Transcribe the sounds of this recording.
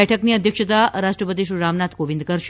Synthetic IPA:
ɛʈʰəkniəd̪ʱjəkʃət̪aɾaʃʈɾəpət̪̬iʃuɾamnat̪ʰɡoʋĩnd̪kəɾʃ

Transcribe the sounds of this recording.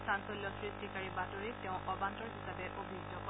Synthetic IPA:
sansoljɔsɹistikaɹibatoɹitɛʊ̃ʔɔbantɔɹɦisabɛʔobʱidɔkɔ

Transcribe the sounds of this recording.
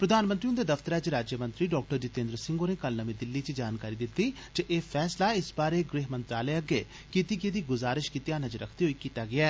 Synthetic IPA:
pɾəd̪aːnmənt̪ɾiʊ̃nd̪eːd̪əfʰt̪əɾɛːt͡ʃɾaːd͡ʒjəmə̃nt̪ɾiːɖɔːk̚ʈəɾd͡ʒɪt̪ẽːnd̪ɾəsɪ̃ŋɡoːneːkəlnəmẽːd̪ɪlːiːt͡ʃd͡ʒaːnkaːɾiːd̪ɪt̪ːiː | d͡ʒəʔeːpʰɛːslaːɪsbaːɾeːɡɾeːɦmə̃nt̪ɾaːleːəɡeː | kiːt̪iːɡeːd̪iːɡʊzaːɾɪʃkiːt̪ijaːnəd͡ʒəɾə̰kʰt̪eːɦoiːkiːt̪aːɡɪaː

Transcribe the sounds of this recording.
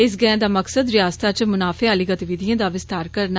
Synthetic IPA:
ɪs̬ɡɛ̃d̪aːməksəd̪ɾɪjaːst̪aːt͡ʃmʊnaːfʰeaːliːɡət̪iʋɪd̪iãːd̪aːʋɪst̪aːɾkəɾna

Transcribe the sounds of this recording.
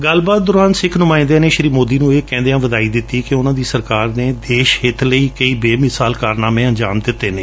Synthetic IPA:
ɡəlbaːt̪̚d̪ʊɾaːnsɪkʰnʊmãːɪ̃nd̪eːneːʃəɾiːmoːd̪iːnũːeːkɛ̃ːnd̪eãːʋəd̪aːiːd̪ɪt̪ːiːkɪʊnãːd̪iːsəɾkaːɾneːd̪eːʃhɪt̪ʰləiːkəiːbeːmɪsaːlkaːɾnaːmɛ̃ːəɲd͡ʒaːmd̪ɪt̪ːeːneː

